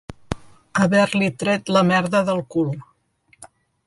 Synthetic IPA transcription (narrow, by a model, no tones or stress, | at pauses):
əβɛɾlit̪ɾɛt̪ləmɛɾðəðəlˠkulˠ